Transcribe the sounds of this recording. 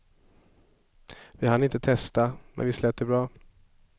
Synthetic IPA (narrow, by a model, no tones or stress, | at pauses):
vɪhanɪnt̪ət̪ʰɛst̪amɛ̰nvɪslɛːt̪ːəbɾɑː